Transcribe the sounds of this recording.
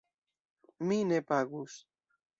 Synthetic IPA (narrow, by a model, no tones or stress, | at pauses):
minepaɣus